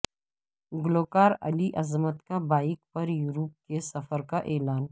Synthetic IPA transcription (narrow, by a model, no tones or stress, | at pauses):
ɡloːkaːɾɐ̰liʔɐzmət̪kabaːɪk̚pɐɾjuːɾup̚kesɐfəɾkaʔeːlaːn